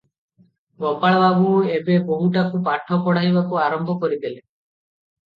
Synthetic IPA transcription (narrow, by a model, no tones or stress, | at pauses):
ɡɔpaɭbaɡũebebɔɦuʈakupaʈʰːɔkɔɽ̤ajbakuaɾɔmbʱɔkɔɾib̪ele